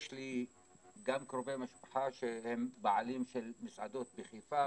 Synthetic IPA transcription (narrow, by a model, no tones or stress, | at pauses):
ʃli | ɡamkʁovejmaʃpḁħaʃehembaʕalimʃelmisʕad̪ot̪̚beχifa